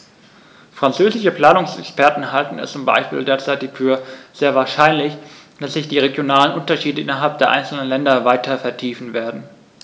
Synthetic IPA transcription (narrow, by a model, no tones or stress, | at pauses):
fʁ̥ant͡søːzɪʃəpl̥aːnʊŋsɛ̰kspɛɐtn̩haltn̩ɛ̰st͡sʊmba̰ɪʃpḭːldeːɐt͡saɪtɪçfyːɐz̥eːɐvaːɐʃaɪnlɪçd̥asz̥ɪçd̥iːʁeɡjonaːlənʔʊntɐʃiːdəʔɪnɐɦalp̚d̥eːɐʔa̰ɪnsl̩nənlɛndɐvaɪtʰɐfɛɐtʰiːfn̩veːɐdn̩